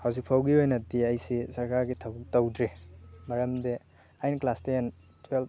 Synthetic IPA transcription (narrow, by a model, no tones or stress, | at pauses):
hawzik̚pʰawɡiojnɐtiajsisɐɾkaɾɡitʰɐbuk̚tɐwdɾemɐɾɐmde | ajnklasten | twel